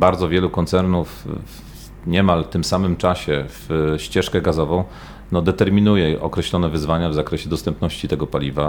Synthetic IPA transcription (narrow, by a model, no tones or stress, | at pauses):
baɾd̪zɔvʲjɛlukɔnt̪sɛɾnuf | ɲɛmalt̪ɘmsamɘmt͡ʂaɕɛvɕt͡ɕɛʂkɛɡazɔvɔ̃w̃ | nɔd̪ɛt̪ɛɾmʲinujɛʔɔ̰kɾɛɕlɔnɛvɘzvaɲavzakɾɛɕɛd̪ɔst̪ɛmpnɔɕt͡ɕit̪ɛɡɔpalʲiva